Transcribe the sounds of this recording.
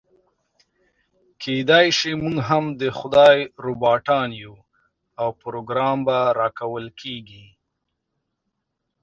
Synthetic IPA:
kʰed̪ajʃimuŋɡɦamd̪əxʊd̪ɑjɾobɑʈɑnju | awpʊɾoɡɾɑmbaɾɑkawəlkʰeɡi

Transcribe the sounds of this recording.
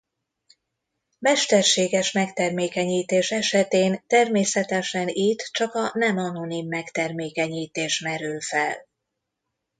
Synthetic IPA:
mɛʃt̪ɛrʃeːɡɛʃmɛkt̪ɛrmeːkɛɲiːt̪eːʃɛʃɛt̪eːnt̪ɛrmeːsɛt̪ɛʃɛnit̪ːt͡ʃɒkɒnɛmɒno̞nimːɛkt̪ɛrmeːkɛɲiːt̪eːʃmɛɾylfɛ̰l

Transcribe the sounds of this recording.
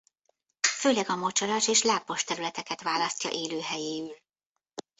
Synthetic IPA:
føːlɛɡɒmo̞t͡ʃɒɾaʃeːʃlaːpːo̞ʃt̪ɛɾylɛt̪ɛkɛt̪ʋaːlɒsc̪ɒ̰ʔeːløːɦɛjeːyl

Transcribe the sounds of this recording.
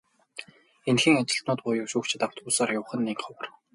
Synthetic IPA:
enxĭŋat͡ɕɪ̆ɬt̪nʊːt̪̚pʊjʊwʃuːkt͡ɕʰt̪aw̥t̪uːsaːrjʊwχə̆nːiːŋχɔwə̆r

